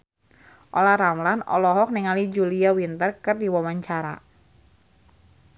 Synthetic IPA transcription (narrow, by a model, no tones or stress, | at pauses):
ʔolaɾamlanɔ̰lɔɦɔk̚nɛŋalid͡ʒuliawint̪ərkɨrdiwawaɲt͡ʃaɾa̰